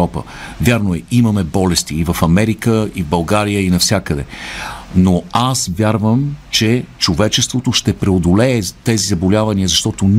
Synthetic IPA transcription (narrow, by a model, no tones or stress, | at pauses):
ɔpə̰ | vʲjaɾnoɛimɐmɛbɔlɛst̪iːvəfɐmɛɾikəivbɐlˠɡaɾijəinɐfsʲjakəd̪ɛ | noasvʲjaɾvəmt͡ʃɛt͡ʃovɛt͡ʃɛst̪vot̪oʃt̪ɛpɾɛod̪olɛːt̪ɛzizɐbolʲavɐniəzɐʃt̪ɔt̪on